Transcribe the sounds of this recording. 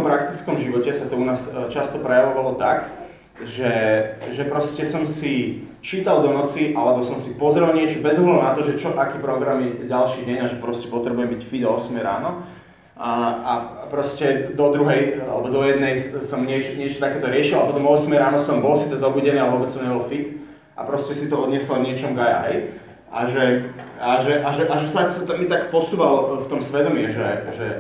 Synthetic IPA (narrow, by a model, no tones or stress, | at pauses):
ɔmpɾakt̪it͡skɔmʒiʋɔcɛsat̪ɔunaːst͡ʃast̪ɔpɾɛjaʋɔʋalɔt̪ak | ʒɛʒɛpɾɔscɛsɔmsi | t͡ʃiːt̪ald̪ɔnɔt͡siʔalɛbɔsɔmsipɔzɾɛlɲɪɛt͡ʃɔbɛzɔɦlad̪ʊnat̪ɔʒɛt͡ʃɔʔakiːpɾɔɡɾamjɛɟalʃiːɟɛɲaʒɛpɾɔscɛpɔt̪ɾɛbujɛmbicfid̪ɔɔsmɛjɾa̰ːnɔ | apɾɔscɛd̪ɔd̪ɾuɦɛja̰lɛbɔd̪ɔjɛd̪nɛjsɔmɲɪɛt͡ʃɲɪɛt͡ʃɔt̪akɛːt̪ɔɾɪɛʃilaapɔt̪ɔmɔɔsmɛjɾaːnɔsɔmbɔlsiːt͡sɛzɔbuːɟɛnialɛʋɔbɛt͡ssɔmɲɛbɔlfit̪ | ʔa̰pɾɔscɛsit̪ɔɔd̪ɲɪɛslɔvɲɪɛt͡ʃɔmuɡaja̰ɛj | ʔa̰ʒɛaʒɛʔaʒɛʔaʒɛsasat̪amːit̪akpɔsuːʋalɔft̪ɔmsʋɛd̪ɔmiɛʒɛʒɛ